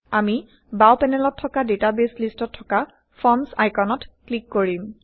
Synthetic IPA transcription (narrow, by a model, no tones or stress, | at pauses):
ami | bawpɛnɛlɔtʰːɔkadetabeslistɔtʰːɔka | fʰɔmsajkɔnɔtklikːoɹim